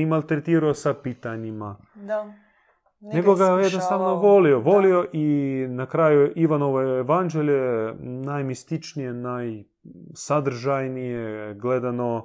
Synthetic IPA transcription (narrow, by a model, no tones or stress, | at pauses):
imalˠʲt̪ɾet̪iːɾuosapit̪aɲima | neɡoɡajed̪nost̪aʋnoʋolioʋolioʔinakɾajuiʋanoʋoeʋand͡ʒeljenajmist̪it͡ʃnijenaj | sad̪r̩ʒajnijeɡled̪ano